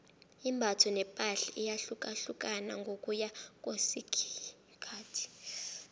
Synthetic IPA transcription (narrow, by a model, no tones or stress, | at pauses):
imbʱatʰɔnɛpʼaɬɛʔijaɬukʼaɬukʼana̰ŋɡʱokʼujak̬ʼwesikʰ | kʰaːtʰi̥